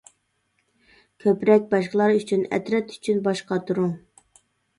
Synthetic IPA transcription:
kʲʰøpɾɛk̚ʲbɑʃqəlˠɑɾyt͡ʃʰynɛ̰t̪ɾɛt̪y̥t͡ʃʰynbɑʃqɑt̪ʰuɾuŋ

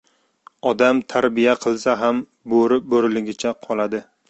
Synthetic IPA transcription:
ɒd̪amt̪ʰaɾbijaqʰɨlˠsaɦam | boɾɪp̚boɾɪlɪɡʲɪt͡ʃʰaqʰɒlˠad̪ɪ

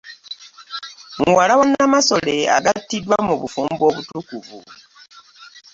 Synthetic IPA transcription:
ŋwalawanamaso̞le̞a̰ɡatːidwamuβufuːmbo̞βutukuvṵ

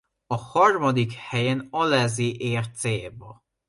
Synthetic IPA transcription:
ɒhɒrmɒd̪ikhɛjenɒlɛziːʔeːrt̪seːbɒ

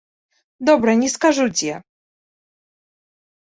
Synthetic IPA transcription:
d̪ɔbɾaɲʲiskaʐud͡ʑʲjɛ

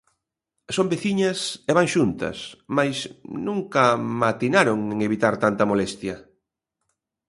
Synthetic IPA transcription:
sõmbeθiɲɐseβaŋʃunt̪ɐ̰smajsnũŋkɐmat̪inaɾoŋeŋeβit̪aɾt̪ant̪ɐmolest̪jɐ

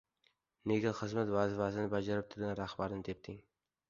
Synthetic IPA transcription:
neɡʲaχɨzmat̪vazvazɪnɪbad͡ʒaɾɪp̚t̪ʰʊɾɡʲanɾahbaɾɪnɪt̪ʰep̚t̪ʰɪŋ

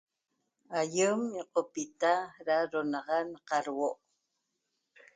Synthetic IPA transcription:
ajəmjoqopit̪aɾaɾonɑʁɑnqɑɾwoʔ

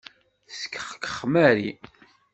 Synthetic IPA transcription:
sə̥kːəχə̥kːə̥χːmæɾi

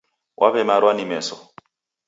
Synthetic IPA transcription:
wʔa̰βɛmaɾwanimɛsɔ

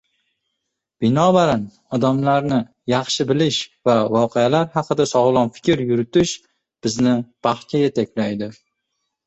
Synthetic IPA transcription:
b̥ɪnɒbaɾan | ɒd̪amlaɾnɪ | jɑχʃɪbɪlɪʃvavɒqʰealaɾhɑqɨd̪asɒʁlˠɒnfɪ̥kʲɪɾjʊɾɪt̪ɪʃ | b̥ɪznɪpʰɑχt͡ʃʰajat̪ʰakʲlajd̪ɪ

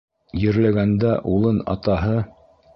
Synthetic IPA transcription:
jɘ̆ɾlæɡænd̪æʔulˠɤnɑ̰t̪ɑɦɤ

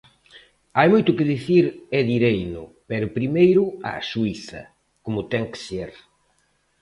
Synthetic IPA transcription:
ajmojt̪ʊkɪðiθiɾɛðiɾejnʊ̰pɛɾʊpɾimejɾʊa̰suiθɐ̰ | komʊt̪ɛŋkseɾ

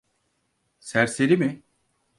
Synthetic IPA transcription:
sæɾseɾimɪ

